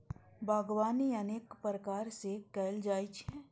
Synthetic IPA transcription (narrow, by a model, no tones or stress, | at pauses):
bʱaːɡʋaːniəneːkpɾəkaːɾsekɛːld͡ʒaːit͡ʃʰɛː